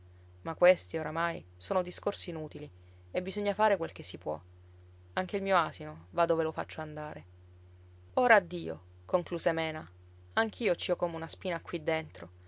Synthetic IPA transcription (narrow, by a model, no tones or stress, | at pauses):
makːwest̪ioɾamajsoːnod̪iskorsiːnuːt̪ili | ebːizoɲːafaːɾekwelk̟esːipwɔ̰ | aŋk̟eilmiːoaːsinovad̪ovelofa̰t͡ʃːoand̪aːɾe | oːɾaːd̪ːiːo̰ | koŋkluːszemɛːna | aŋk̟ʰiːot͡ʃiɔkomeunaspiːnakwid̪ːent̪ɾo